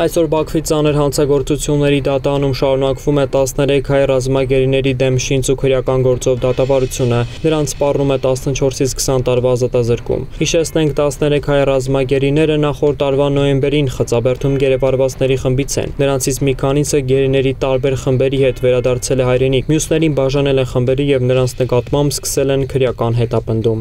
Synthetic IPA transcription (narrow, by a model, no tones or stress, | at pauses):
ɑjsɔɾbɑkʰvit͡sɑnəɾɦɑnt͡sʰɑɡɔɾt͡sut͡sʰjunːɛɾid̪ɑt̪ɑɾɑnumʃɑɾunɑkvumɛt̪ɑsnɛɾɛkʰhɑjrɑzmɑɡɛɾinɛɾid̪ɛmʃint͡sukʰəɾjɑkɑnɡɔɾt͡sɔvd̪ɑt̪ɑvɑɾut͡sʰjunənəɾɑnt͡sʰspɑrnumɛt̪ɑsnət͡ʃʰɔɾsit͡sʰkʰə̥sɑnt̪ɑɾvɑɑzɑt̪ɑzəɾkṵmhiʃɛt͡sʰnɛŋkʰt̪ɑsnɛɾɛkʰhɑjrɑzmɑɡɛɾinɛɾənɑχɔɾt̪ːɑɾvɑnɔjɛmbɛɾinχət͡sɑbɛɾt̪ʰumɡɛɾɛvɑɾvɑt͡snɛɾiχəmbit͡sʰɛ̰nːəɾɑnt͡sʰit͡sʰmikʰɑnisəɡɛɾinɛɾit̪ɑɾbɛɾχəmbɛɾihɛt̪vɛɾɑd̪ɑɾt͡sʰɛlɛɦɑjɾɛnikʰmjusnɛɾinbɑʒɑnɛlɛnχəmbɛɾijɛvnəɾɑnt͡sʰnəkɑt̪mɑmbskə̥sɛlɛnkʰəɾjɑkɑnɦɛt̪ɑpənd̪um